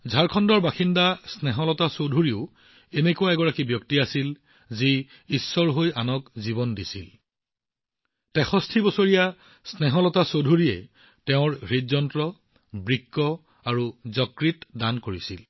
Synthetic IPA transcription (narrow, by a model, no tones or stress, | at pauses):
zʱaɹkʰɔndɔɹbaxindasnɛɦɔlɔtasodʱuɹiʊ | enekuwaɛɡɔɹakibjɔktiasil | ziː | sːɔɹɦojanɔkziβɔndisil | tɛxɔstʰibɔsoɹija | snɛɦɔlɔtasodʱuɹiɛ̰ | tɛʊ̃ɹɹidzɔntɹɔ | bɹikːɔ | aɹuzɔkɹitdankoɹisil